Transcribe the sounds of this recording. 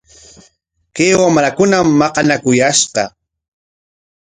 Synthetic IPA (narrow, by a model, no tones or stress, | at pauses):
kewamɾakʊnamːɑqɑnakʊjaʃqɑ